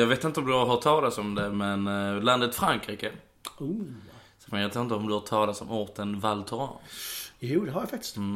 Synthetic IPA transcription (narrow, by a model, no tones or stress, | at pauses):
jɑːɡveːt̪ɪnt̪əɔmd̪ɵɦaɾt̪ʰɑːlat̪sɔmd̪ɛmɛnland̪ət̪fɾaŋkɾiːkə | usmɛt̪aɾɪnt̪əɔmd̪ɵhat̪ʰɑːlat̪sɔmɔɾt̪ənvalt̪ʰɔɾɑ̰njuːd̪ɛɦaɾjafakt̪ɪ̥st̪ː